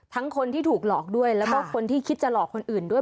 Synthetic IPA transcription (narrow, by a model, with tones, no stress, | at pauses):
t̪ʰa˦˥ŋkʰo˧nt̪ʰiː˥˩t̪ʰuː˨˩k̚lɔː˨˩k̚du˥˩əjlɛː˦˥wkɔː˥˩kʰo˧nt̪ʰiː˥˩kʰi˦˥t̪̚t͡ɕa˧˩lɔː˨˩kʰːo˧nʔɯː˨˩ndu˥˩ə˩